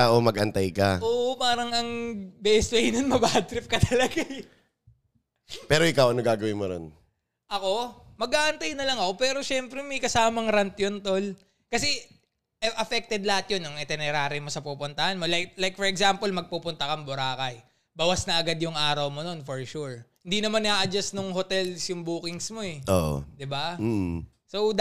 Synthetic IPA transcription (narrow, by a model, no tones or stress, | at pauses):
aʔomɐɡʔɐnt̪ajkɐʔoːʔopaːɾɐŋɐŋbɛst̪̚wejnonmɐbaːh̚t̪ɾɪp̚kɐt̪ʰɐlɐɡaj | pɛːɾoʔɪkawʔɐnoɡaːɡɐwɪnmono̰n | ʔɐko̞mɐɡaːʔɐnt̪ajnɐlɐŋɐko̞pɛːɾo̞ʃɛmpɾɛmɐjkɐsaːmɐŋɾɐnt̪jont̪o̞l | kɐsɛ | ʔɛʔɐfɛk̚t̪ɛd̪lɐhat̪jonɐŋɛt̪ɛnɛɾaːɾɪmo̞sɐpupʊnt̪ɐhanmo̞lajk̚lajk̚fɔɹɛɡsampolmɐɡ̚puːpʊnt̪ɐkɐŋbʊɾaːkɐj | bɐwasnɐʔɐɡad̪jʊŋʔaːɾɐwmo̞no̞nfoɹʃuɹhɪnd̪inɐmanaːʔɐd͡ʒasnʊŋɦot̪ɛlsjʊŋbuːkɪŋsmo̞ɛʔo̰ʔo̰d̪ɪba | sow̪